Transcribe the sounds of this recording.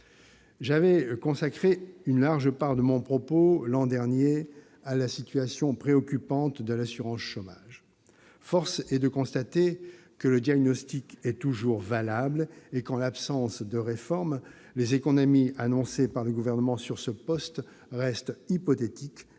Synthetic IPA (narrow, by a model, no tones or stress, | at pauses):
ʒavɛkɔ̃sakχeynlaʁʒəpaʁd̪əmɔ̃pχɔpolɑ̃d̪ɛʁnje | alasit̪ɥasjɔ̃pχeɔkʲypɑ̃t̪d̪əlasyʁɑ̃sʃomaʒ | fɔʁsɛd̪əkɔ̃st̪at̪e | kələd̪jaɡnɔst̪ikɛt̪uʒuʁvalablekɑ̃lapsɑ̃sd̪əʁefɔʁm | lezekɔnɔmianɔ̃sepaʁləɡuvɛʁnəmɑ̃syʁsəpɔst̪ | ʁɛst̪ipɔt̪et̪ik